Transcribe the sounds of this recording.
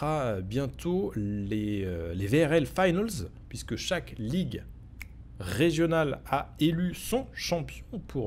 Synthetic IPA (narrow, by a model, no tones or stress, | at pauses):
aøbjɛ̃t̪ʰoeøleveɛʁɛlfajnalz | pɥiskəʃakliɡ | ʁeʒjɔnalaelysɔ̃ʃɑ̃pjɔ̃pʰuʁ